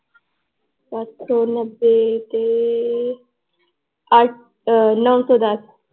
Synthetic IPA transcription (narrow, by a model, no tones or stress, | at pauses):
pat̪sɔnəbːet̪e | aʈ̚ʰ | nəwsod̪as